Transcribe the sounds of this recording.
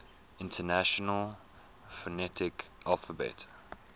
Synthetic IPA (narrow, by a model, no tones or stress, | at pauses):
ɪ̃ntʰənæʃɔnəlˠ | fənɛtʰɪkʔalˠfəbɛ̰t